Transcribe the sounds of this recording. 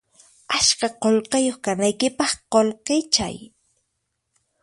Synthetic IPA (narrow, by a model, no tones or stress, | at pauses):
aʃkaqolqɑjoχkanajkɪpɑχqolqɪt͡ʃa̰j